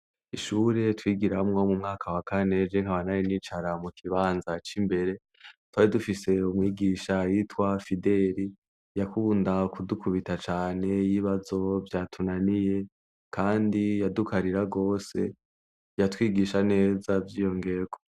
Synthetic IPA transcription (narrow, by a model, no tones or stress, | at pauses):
iʃuːɾe̞twiːɡiɾamŋomumŋaːkʰawakʰane̞d͡ʒeŋ̥haβanaɾinit͡ʃaɾamukʰiβaːnzat͡ʃimbe̞ɾe̞ | twaːɾidufise̞umŋiːɡiːʃajitwafide̞ɾi | jakuːndakudukʰuβitat͡ʃaːne̞jiβazo̞vjaːtʰunanije̞ | kʰaːndijadukaɾiɾaɡo̞ːse̞̰ | jatwiːɡiʃane̞ːzavjiːjo̞ŋɡe̞ɡo